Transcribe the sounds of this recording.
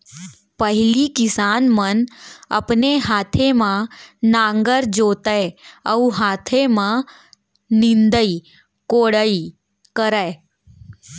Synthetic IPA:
pəɦɪlikɪsaːnmənə̰pneɦaːt̪ʰemãnãːŋɡəɾd͡ʒoːt̪əəuɦaːt̪ʰemã | nɪ̃nd̪əi | koːɽəi | kəɾə

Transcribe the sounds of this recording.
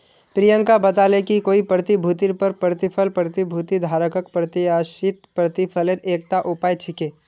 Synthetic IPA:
pɾijə̃ŋkabət̪aːlekikoːipɾət̪ibʱuːt̪iɾpəɾpɾət̪ɪpʰəlpɾət̪ibʱuːt̪id̪ʱaːɾəkəkpɾət̪iaːʃɪt̪̚pɾət̪ipʰəleɾeːk̚t̪aʔʊpaːjt͡ʃʰɪkeː

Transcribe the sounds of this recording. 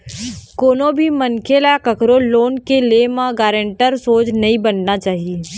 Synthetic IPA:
koːnobʱimɐnkʰelakɐkɾoːloːnkelemãɡaːɾə̃ɳʈəɾsoːt͡ʃnɐɦĩbɐnːat͡ʃaːɦie

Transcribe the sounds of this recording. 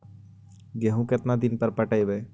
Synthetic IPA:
ɡeɦũkɪt̪nad̪ɪnpəɾpəʈəebeː

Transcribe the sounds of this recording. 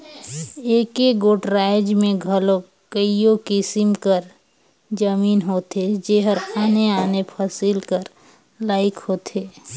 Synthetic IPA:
eːkeɡoːʈɾaːɪd͡ʒmẽɡʱəlo | kəijokɪsɪmkəɾ | d͡ʒəmiːnɦoːt̪ed͡ʒeɦəɾaːneaːnepʰəsɪlkəɾ | laːɪkhoːt̪ʰeː

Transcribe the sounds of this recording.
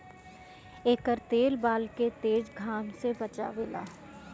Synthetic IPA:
eːkəɾt̪eːlbaːlket̪eːd͡ʒɡʱaːmsebɐt͡ʃa̰ʋela̰ː

